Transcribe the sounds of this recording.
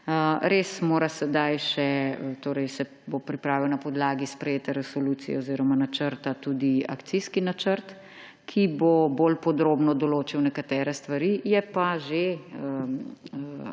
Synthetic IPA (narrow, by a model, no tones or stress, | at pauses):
əɾeːsmoːɾasɛd̪ajʃɛt̪oːɾɛjsɛ | bopɾipɾaːʋiwnɐpɔd̪laːɡispɾɛjeːt̪ɛɾɛsɔluːt̪sijɛ̰oziːɾɔmanat͡ʃəɾt̪at̪uːd̪ia̰kt̪siskinat͡ʃəɾt̪ | kʰiboboːlpɔd̪ɾoːbnɔd̪ɔloːt͡ʃiwnɛkat̪ɛːɾɛst̪ʋaɾijɛpaʒeə